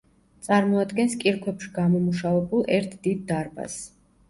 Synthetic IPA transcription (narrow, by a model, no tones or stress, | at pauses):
t̪sʼaɾmɔad̪ɡɛnskʼiɾkʰwɛpʃi̥ɡamɔmuʃavɛbulˠʔɛɾt̪ʰd̪id̪̚ːaɾba̰s